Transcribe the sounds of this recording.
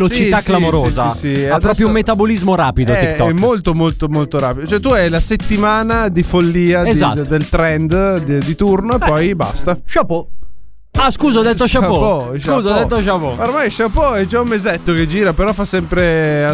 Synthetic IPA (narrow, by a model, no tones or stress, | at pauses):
lost͡ʃiasklamoɾoːzaisiadpɾɔspɾjoumːet̪abolizmoɾaːpid̪ot̪it̪ɔɛmːolt̪omolt̪omolt̪oɾa̰ːpid̪ot͡ʃoɛt̪uɛjlaset̪ːimaːnad̪ifolːiːad̪a̰d̪elt̪ɾɛnd̪d̪id̪it̪urnoepːɔjba̰st̪aʃapo | askuːzad̪ɛt̪ːoʃaopoʃuːzad̪ɛt̪ːoʃapooɾmajʃapoɛd͡ʒaumːezɛt̪ːoked͡ʒiːɾapeɾɔfːasːɛmpɾe